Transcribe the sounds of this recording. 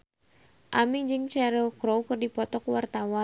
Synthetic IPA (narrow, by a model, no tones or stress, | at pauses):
ʔamid͡ʒɨŋt͡ʃɛɾilkɾowkɨrdipɔt̪ɔkwart̪awa